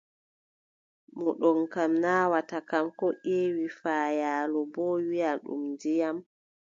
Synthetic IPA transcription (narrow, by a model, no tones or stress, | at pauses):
mɔɗɔnkamnaːwatakamkɔʔeːwifaːjaːlɔbɔwijaɗṵmndijam